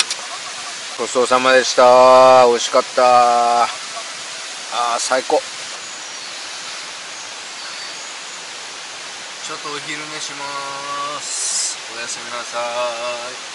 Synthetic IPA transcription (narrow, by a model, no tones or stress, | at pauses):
ɡo̞soːsamad̪e̞ɕi̥t̪aoɕi̥kat̪ːa | asaiko̞ | t͡ɕot̪ːoçiɾɯmeɕima | s | ojasemʲinasai